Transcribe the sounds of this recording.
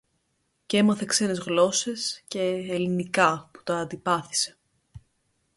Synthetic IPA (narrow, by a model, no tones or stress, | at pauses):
cemɐθe̞kse̞ne̞zɣlo̞se̞sce̞ːlinikɐpu̥t̪ɐːnd̪ipɐθi̥se̞̥